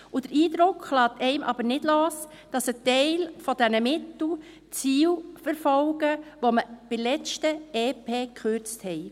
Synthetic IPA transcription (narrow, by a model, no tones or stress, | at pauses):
ʊd̥əɾiːdɾʊkχlɑːt̪ɛɪmʔɑ̰b̥ənɪd̥loːs | d̥ɑsətɛɪlfɔdɛnəmɪtl̩ | t͡siːwfəɾfɔlɡ̥əʋoməb̥ɪlɛt͡ʃtəeːpʰeːkχøɾt͡sthɛj